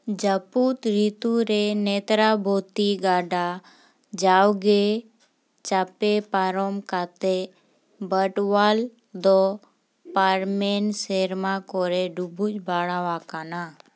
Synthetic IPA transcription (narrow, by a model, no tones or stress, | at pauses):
d͡ʒaput̪ɾit̪uɾeneːt̪ɾabʱoːt̪iɡaːɖa | d͡ʒaːwɡe | t͡ʃaːpepaːɾomkat̪e | bəʈʋal | d̪o | paːɾmeːnseːɾmãkɔːɾeɖubut͡ʃbʱaːɽaʋaːkana